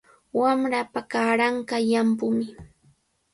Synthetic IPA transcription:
wamɾapakaɾaɴkajampʊmɪ

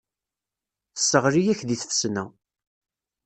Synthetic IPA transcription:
θə̥sːəʁɾijæçðiθfsnæ

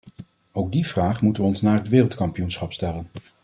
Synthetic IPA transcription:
owɡ̚div̥raːχmutəʋəɔnsnaːɹɦətʋɪːrəlˠtkɑmpijunsχɑpstɛlən

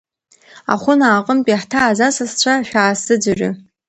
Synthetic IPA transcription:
a̰χʷʊnaːqʼəmpʼiħtʰaːzasast͡ɕʷʰaʃᶣaːsɨd͡zɨʒʲʷᶣʏ̰

